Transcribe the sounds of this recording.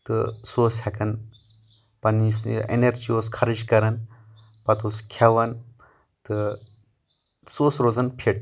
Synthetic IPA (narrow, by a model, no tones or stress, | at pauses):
t̪ɨsoːshɐkɐn | pɐnisḛneɾd͡ʒioːskʰɐɾid͡ʒkɐɾɐn | pɐt̪uskʰɐʋɐn | t̪ɨ | soːsɾozɐnpʰeʈ̚